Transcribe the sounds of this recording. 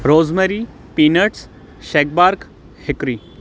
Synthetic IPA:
ɾoːd͡zmeɾi | piːnəʈs | ʃek̚baɾk | hekɾi

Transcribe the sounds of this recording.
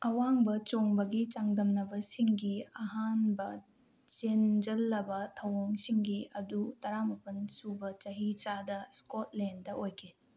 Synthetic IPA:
ɐwaŋbɐt͡ʃoŋbɐɡit͡ʃaŋdɐmnɐbɐsiŋɡiɐɦanbɐ | t͡ʃend͡ʒɐlːɐbɐtʰɐwoŋsiŋɡiɐdutɐɾamɐpɐnsubɐt͡ʃɐɦit͡ʃadɐskot̚lendɐʔojkʰi

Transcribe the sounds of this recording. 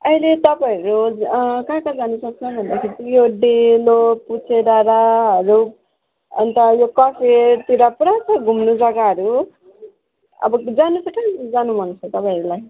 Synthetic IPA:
ʌilet̪ʌpãʌɾukãkãd͡zanusʌk̚t͡sʰʌbʱʌnd̪akʰiɾit̪joɖeloput͡sʰeɾaɾaɦʌɾu | ʌ̰nt̪ajokʌpʰet̪iɾapɾat͡sʰʌɡʱumnud͡zʌɡaɦʌɾu | ʌ̰bʌd͡zanut͡sʰʌkad͡zanubʱʌnt͡sʰʌt̪ʌpãiʌɾulaj

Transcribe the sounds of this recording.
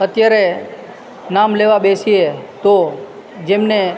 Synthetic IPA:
ət̪jaɾe | namleʋabesiet̪o | d͡ʒemne

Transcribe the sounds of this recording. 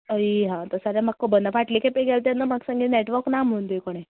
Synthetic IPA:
əiɦãt̪əsaɾjamakːəbənəpaʈlikepeɡelt̪anːəmaksə̃ŋɡineʈʋəɾknam̤unt̪ujkoɽ̃e

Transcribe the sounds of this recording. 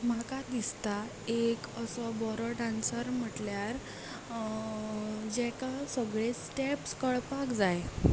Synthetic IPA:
m̤akad̪ist̪a | ekəsɔbɔɾɔɖãnsəɾm̤əʈljaɾ | d͡ʑɛkasəɡɭesʈepskəɭpakd͡zaj

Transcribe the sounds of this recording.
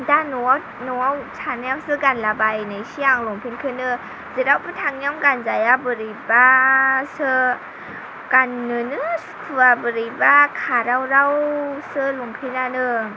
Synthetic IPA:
danɔa | nɔwawsʰanjawsɯɡanlabajnajsiaŋlɔŋpʰinkʰɯnɯ | zɯɾawpətʰaŋɲjamɡanzajabɯɾɯjbasɯ | ɡ̥anːɯnɯspʰɯabɯɾijbakʰaɾawɾawsɯlɔŋpʰinanɯ

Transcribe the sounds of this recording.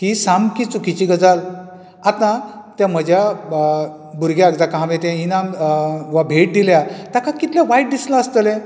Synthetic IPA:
k̪isamkit͡sukit͡ɕiɡəd͡zal | at̪ãt̪jãm̤əd͡ʑja | buɾɡjaəɡd͡zakaɦãʋẽt̪ãinamʋabʱeʈ̚d̪iljat̪akãkit̪lãʋajʈ̚d̪islãəst̪əlẽ

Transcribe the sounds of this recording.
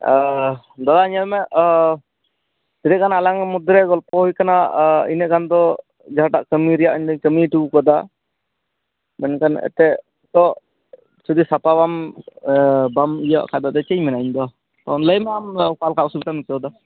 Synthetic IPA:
d̪ɔlaɲəlmɛ | siɾɛʔkanaalaŋmud̪ɾɛɡɔlpɔɦujkanaḭnɛʔɡand̪ɔ | d͡ʒaɦaʈaʔkəmiɾɛjaʔɲd̪ɔɲkəmiʈuukɔd̪a | mɛ̰nkanɛ̰t̪ɛʔ | t̪ɔʔ | t͡ʃud̪isapabam | bamija̰ʔkʰad̪ad̪ɛt͡ʃəɲmɛnaiɲd̪ɔ | t̪ɔnləjmɛamkalkaʔusubit̪amikɔwd̪ɔ

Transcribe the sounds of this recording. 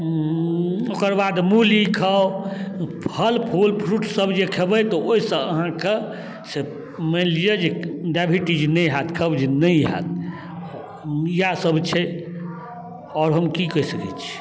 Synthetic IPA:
okəɾbad̪mulikʰəwʰ | əlpʰolpʰɾuʈʰsəbd͡ʒekʰebət̪ɔoisə̃əɦãke | se | mənlijed͡ʒeɖabʱiʈid͡ʒnəjɦat̪kʰəbd͡ʒenəjɦa̰t̪̚ | ijasəbt͡ʃʰɛ | ɔːɾɦəmkikəsəkɛ̰t͡ʃʰi̥

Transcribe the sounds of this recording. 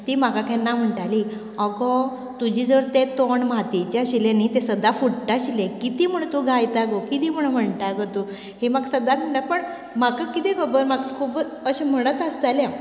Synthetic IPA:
t̪imakakʰɛ̃nːam̤əɳʈali | ɔɡɔ | t̪ud͡ʑiːd͡zəʋəɾt̪et̪oɳmat̪et͡ɕaɕilẽnit̪esəd̪afuʈʈaɕilẽkit̪im̤əɽ̃t̪uɡʱajt̪aɡokit̪im̤əɳ̃m̤əɳʈ̪aɡət̪u | himaɡsəd̪at̪̚m̤əɳʈ̪aɾpəɳ | makakit̪ɛ̃kʰəbəɾmaɡkʰub | əɕem̤əɽ̃ət̪əst̪alã

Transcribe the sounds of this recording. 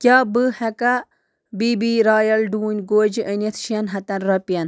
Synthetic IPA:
kʲaːbɨhɐka | biːbiːɾaːjɐlɖuːnʲɡoːd͡ʒiʔənʲɐt̪ʰʃiɐnɦɐt̪ɐnɾɐpjɐn

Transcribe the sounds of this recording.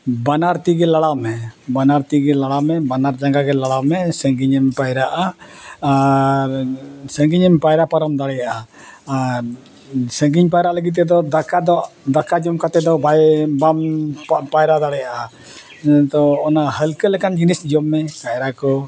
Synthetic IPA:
banaɾt̪iɡɛlaɽamɛbanaɾt̪iɡɛlaɽamɛbanaɾd͡ʒaŋɡaɡɛlaɽamɛsəŋɡiɲɛmpajɾaʔaaɾsəŋɡiɲɛmpajɾapaɾəmd̪aɽɛjaʔa | aɾ | səŋɡiɲpajɾaʔləɡit̪̬ːɛd̪ɔd̪akad̪ɔd̪akad͡ʒɔmkat̪ɛd̪ɔbajbampajɾad̪aɽɛjaʔa | t̪ɔɔnahəlkəlɛkand͡ʒinisd͡ʒɔmːɛkajɾakɔ

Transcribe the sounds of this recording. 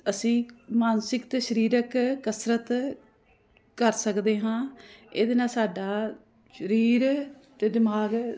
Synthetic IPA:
əsĩːmaːnsɪkt̪eːʃəɾiːɾəkkəsɾət̪ | kəɾsəkd̪eːɦãːḛːd̪eːnaːsaːɖaː | ʃəɾiːɾt̪eːd̪ɪmaːɡ

